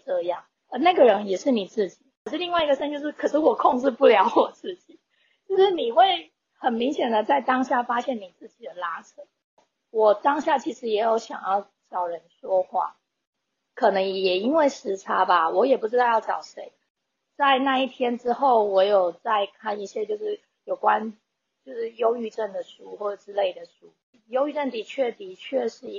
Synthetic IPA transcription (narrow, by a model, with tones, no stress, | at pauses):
ʈ͡ʂɤ˥˧jɑ˥˩ŋ | ə˧na˥˩ɡə˩ɻə˧˦˥njɛ˨˩ʂɻ̩˥˩ni˨˩t͡sɹ̩˥˩t͡ɕi˨˩˦kʰə˨˩ʂ̩˥˧li˥˧ŋwa˥˩ɪi˥ɡə˧ʂə˥nt͡ɕjo˥˧ʂɻ̩˥˩kʰɤ˨˩ʂɻ̩˥˩wɔ˨˩kʰo˥˧ŋʈ͡ʂɻ̩˥˧pu˥˩ljɑ˧˥ʊwɔ˨˩t͡sɹ̩˥˩t͡ɕi˨˩˦ | t͡ɕt͡ɕjo˥˧ʊʂɻ̩˥˩ni˨˩xwe˥˩ɪ | hə˨˩nmi˧˥ŋɕjɛ˨˩nd̪ə˩t͡sa˥˩ɪt̪ɑ˥ŋɕja˥˩fa˥ɕjɛ˥˩ni˨˩t͡sɹ̩˥˩t͡ɕi˨˩d̪ə˩la˧˥ʈ͡ʂʰə˨˥˦ | wɔ˨˩t̪ɑ˥ŋɕja˥˩t͡ɕʰi˧˥ʂɻ̩˧˥jɛ˧˥jo˧˥ʊɕjɑ̰˨˩ŋjɑ˥˩ʊ | t͡ɕɑ˨˩ʊɻə˧˦nʂwɔ˥xwa̰˥˩ | kʰɤ˨˩nɤ˧˥ŋjɛ˨˩i˥nwe˥˩ɪʂɻ̩˧˥ʈ͡ʂʰa˧˥ba˨wɔ˧˥jɛ˨˩pu˧˥ʈ͡ʂɻ̩˥d̪ɑ˥˧ʊjɑ˥˩ʊʈ͡ʂɑ˨˩ʊʂe˧˥ɪ | t͡sa˥˧ɪna˥˧i˥˩t̪ʰjɛ˥nʈ͡ʂɻ̩˥xo˥˩ʊwɔ˧˥jo˨˩ʊt͡sa˥˧ɪkʰa˥˩ni˥˩ɕjɛ˥t͡ɕjo˥˧ʊʂɻ̩˥˩ | jo˨˩ʊkwa˦n | t͡ɕjo˥˧ʊʂɻ̩˥˩jo˥ʊy˥˧ʈ͡ʂə˥˩nd̪ə˩ʂu˥xwɔ˥˩ʈ͡ʂə˨˩ʈ͡ʂɻ̩˥le˥˩ɪd̪ə˩ʂu˥ | jo˥ʊy˥˧ʈ͡ʂə˥˩nt̪i˧˥t͡ɕʰɥɛ˥˩t̪i˧˥t͡ɕʰɥɛ˥˧ʂɻ̩˥˧